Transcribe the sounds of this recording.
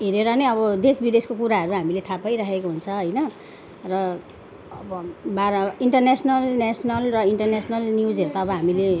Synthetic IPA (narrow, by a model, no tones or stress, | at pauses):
ɦeɾeɾʌnʌʌbʌd̪esbid̪eskokuɾaɦʌɾuɦamilet̪ʰapʌjɾakʰekoɦunt͡sʰʌɦʌjnʌ | rʌ | ʌbʌbaɾiɳʈʌrnesnʌlnesnʌlrʌiɳʈʌrnesnʌlnjud͡zɦeɾut̪aːbʌɦamile